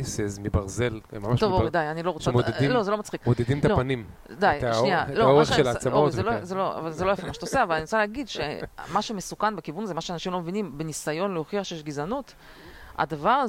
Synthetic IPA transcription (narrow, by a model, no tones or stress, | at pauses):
sezmibaʁzel̰mamaʃtovod̪ajanilo̞ʁomodded̪imlozelomat͡sχikmod̪ed̪imt̪alopanim | d̪ajt̪aʃnialoaoaeʃelat͡samozelozeloa̰valzelojafemaʃt̪oseavalaniʁot͡saleːɡid̪ʃemaʃemesukanbekivunzemaʃeanaʃimlo̞mevinimbenisajo̞nleoχiaχʃejeʃɡizanut̪ | a̰d̪avaʁ